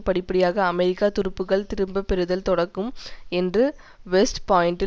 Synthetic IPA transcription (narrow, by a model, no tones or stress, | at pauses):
pɐɽɪpːɐɽɪjaːɣɐːmɛɾɪkːaːt̪ʊɾɯpːɯɣɐɭt̪ɪɾɯmbɐpːɛɾɯðɐlt̪ɔɽɐkːɯmɛndrɯ | ʋɛsʈpaːɪɳʈɪ